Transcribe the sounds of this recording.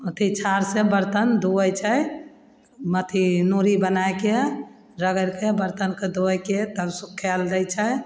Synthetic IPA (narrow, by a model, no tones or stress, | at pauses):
ot̪ʰit͡ʃʰaɾsebəɾt̪ənd̪oət͡ʃʰə | mət̪ʰinoɾibənajke | ɾəɡəɾkebəɾt̪ənked̪oəjket̪əbsukʰːɛld̪əjt͡ʃʰə